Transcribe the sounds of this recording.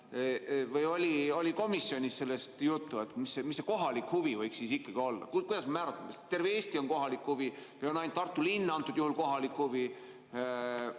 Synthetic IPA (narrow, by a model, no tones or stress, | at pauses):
vɤjo̞lʲio̞lʲiko̞misːio̞nʲisse̞lːe̞st̪jut̪ːuet̪ˑmisemisːe̞ko̞ɦɑlikhuvivɤjksisikˑːɑɡ̥io̞lːɑ̰kkujd̪ɑsmɑmæːɾɑt̪ːˑɑmest̪t̪e̞rveeːst̪io̞nko̞ɦɑlikhuvivɯjo̞nɑjnt̪ːɑrt̪ːˑulinːɑnt̪ːˑud̪juhulko̞ɦɑlikhuvi